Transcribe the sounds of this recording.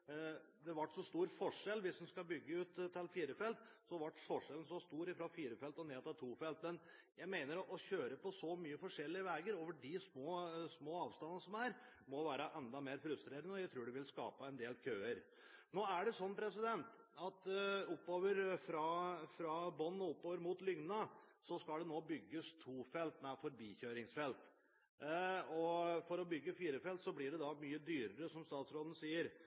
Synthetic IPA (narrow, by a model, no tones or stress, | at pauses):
d̪ɛʋɑʈːsɔst̪uːɾfɔʂɛlʋɪsd̪ɛnskɑbʏɡːəʉːt̪ʰːɪlfiːɾəfɛlt̪sɔʋɑʈːsɔʂɛln̩sɔst̪uːɾɪfɾɔfiːɾəfɛlt̪ɔneːt̪ɪlt̪ʰuːfɛlt̪mɛn | jæɪmeɪnəɾɔʔɔçøːɾəpɔsɔmyːəfɔʂɛlːɪəʋæːɡəɾoːʋəɖɪsmoːsmoːɑːʋst̪ɑnːəsɔmæɾ | mɔʋæːɾəʔɛnd̪ɑmeːɾfɾʉst̪ɾeːɾənəɔjæɪt̪ʰɾuːɖɛʋɪlskɑ̰ːpəɛnd̪eːlkʰøːəɾ | noːæɖɛsɔnːpʰɾɛsɪd̪ɛnt̪ | ɑt̪ʊpːoːʋəɾfɾɑfɾɑbɔnːɔʊpːoːʋəɾmut̪lʏŋnnəsɔskɑld̪ɛnoːbʏɡːəst̪ʰuːfɛlt̪næfɔɾbiːçøːɾɪŋsfɛlt̪ | ɔfɔɾɔbʏɡːəfiːɾəfɛlt̪sɔblɪɖɛd̪ɑmyːəd̪yːɾəɾəsɔmst̪ɑːt̪sɾoːd̪n̩siːəɾ